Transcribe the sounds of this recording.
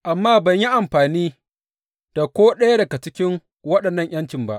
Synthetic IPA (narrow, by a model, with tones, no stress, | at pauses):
ʔa˨mːaː˦˨bɐ˨ɲji˦ʔa˨mɸaː˨niː˦ | d̥a˨kʷoː˦ɗɐ˦ja˦dɐ˨ɡa˨t͡ʃɪ˦kʲɪ˦ŋ | wɐ˦ɗɐ˨nːɐ˦˨ɲj̰ɐ˦nt͡ʃɪ˨mba˦ʔ